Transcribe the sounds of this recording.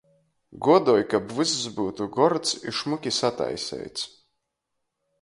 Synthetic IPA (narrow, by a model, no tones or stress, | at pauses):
ɡuɔd̪ɔɔjkabvɨzzbuːt̪uɡɔɾt̪siʃmukʲisat̪a̰jsʲɛ̰jt̪sʲ